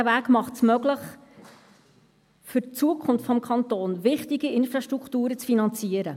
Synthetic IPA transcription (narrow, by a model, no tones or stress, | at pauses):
ævæːkmɑχtsmøɡləχ | fʏt͡suəkʰχʊnftfɔmkʰχɑnt̪oːnvɪχtiɡiɪnfɾɑʃtɾukχtuːɾət͡sfinɑnt͡siəɾə